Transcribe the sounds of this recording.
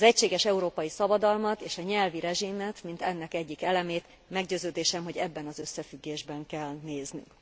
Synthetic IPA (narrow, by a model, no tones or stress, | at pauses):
ɒzɛcʃeːɡɛʃɛuɾoːpɒjisɒbɒd̪ɒlmɒt̪eːʃɒɲɛlviɾɛʒimːɛt̪mint̪ɛnːɛkɛɟːikɛlɛmeːt̪ | mɛɡɟøːzøːd̪eːʃɛmɦo̞ɟɛbːɛnɒzø̞sːɛfyɡːeːʒbɛŋkɛlneːzny̰ŋk